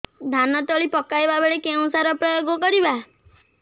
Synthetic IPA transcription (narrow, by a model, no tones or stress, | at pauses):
d̪ʱanɔt̪ɔɭipɔkajbabeɭekeũsaɾɔpɾɔjoɡɔkɔɾiba